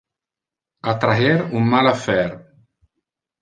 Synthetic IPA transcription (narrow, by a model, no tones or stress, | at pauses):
at̪ɾaɦɛɾumːalafɛɾ